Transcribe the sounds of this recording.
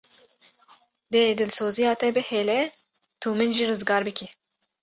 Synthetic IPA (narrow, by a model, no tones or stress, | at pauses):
d̪ed̪ɨlsoːzijɑːt̪ɛbɨheːlɛ | t̪ʰuːmɨnʒirɨzɡɑːɾbɨkʲʰɛ